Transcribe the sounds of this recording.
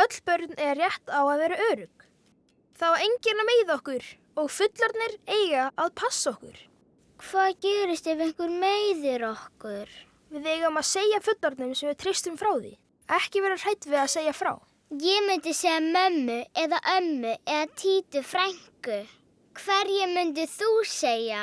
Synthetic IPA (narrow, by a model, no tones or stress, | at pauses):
œt̪l̥pœɾt̪nɛɾrjɛht̪awaðvɛːɾaœːɾʏk | θawaɾejɲcɛnameːjðɔhkʏɾ̥ | ɔɣfʏt̪laɾt̪nɪɾeːjɣaaðpʰasːɔhkʏ̰ɾ̥ | kʰvaːðcɛːɾɪst̪evejŋ̥kʏɾmeːjðʏɾɔhkʏɾ̥ | vɪðeːjɣaɔmaðseːjafʏt̪laɾt̪nʏmsɛmvɪɾ̥t̪ʰɾɪst̪ʏmfɾaːwðḭ | ɛhcɪvɛːɾar̥ajt̪vɪaðseːjafɾa̰w | jɛmʏnt̪ɪsejɣamœmːʏɛðaʔœmːʏɛðat̪ʰiːt̪ʏfɾajŋ̥kʏ | kʰvɛɾjɛmʏnt̪̬ʏθuseːja